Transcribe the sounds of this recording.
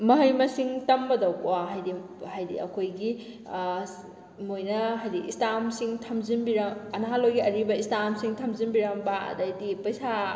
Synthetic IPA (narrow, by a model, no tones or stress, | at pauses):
mɐɦɐjmɐsiŋtɐmbɐdɐwkwaɦajdi | hajdḭɐ̰kʰojɡi | mojnɐɦajdiʔistamsiŋtʰɐmzinbiɾɐmɐnɦalojɡiɐɾibɐistamsiŋtʰɐmzinbiɾɐmbɐɐ̰dɐjdipɐjsa